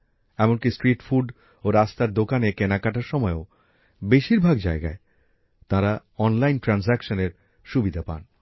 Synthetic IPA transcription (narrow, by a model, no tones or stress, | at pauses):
ɛmonkisʈɾiʈfuɖ | oɾast̪aɾd̪okanekenakaʈaɾʃɔmɔeo | beʃiɾbʱaɡd͡ʑaeɡa̰e | t̪ãɾa | ɔnlajnʈɾansɛkʃoneɾ | ʃubid̪ʱapa̰n